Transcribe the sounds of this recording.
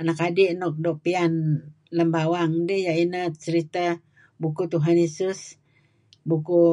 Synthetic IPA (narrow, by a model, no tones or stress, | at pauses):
anakadiʔnɔk̚dɔʔ̚pian | ləmbawaŋdejaʔinat͡ʃəɾit̪a | bukut̪uɦanjesus | buku